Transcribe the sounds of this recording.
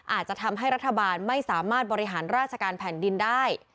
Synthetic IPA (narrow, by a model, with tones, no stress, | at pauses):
ʔaː˨˩t̪̚t͡ɕa˨ʔt̪ʰa˧mɦa˥˩jɾa˦˥t̪ʰːa˧baː˧nma˥˩jsaː˩˦maː˥˩t̪̚bɔː˧ɾi˦˥ɦaː˩˦nɾaː˥˩t̪̚t͡ɕʰa˧kaː˧npʰɛː˩˦ndi˧ndaː˥˩j